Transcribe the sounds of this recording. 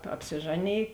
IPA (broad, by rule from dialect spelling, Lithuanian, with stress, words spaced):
ɐpʲsʲɪˈʒɑːˌnʲeːj